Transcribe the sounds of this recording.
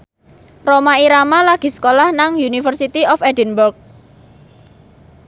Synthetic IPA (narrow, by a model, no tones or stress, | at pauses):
romaiɾamalaɡ̥i̤sə̥kolahnaŋjunifərsit̪iɔfɛdənbʊrk̚